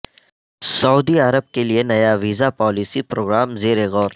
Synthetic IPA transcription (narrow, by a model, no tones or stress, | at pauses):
sɐuːd̪iɐɾəb̚kelienɐjaʋiːzapɔːlisipɾoːɡɾaːmzeːɾeɣɔːɾ